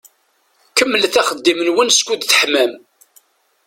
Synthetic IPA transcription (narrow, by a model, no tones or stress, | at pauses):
kəmːəlθæχəd̪ːimənwənskʷud̪θəħmæm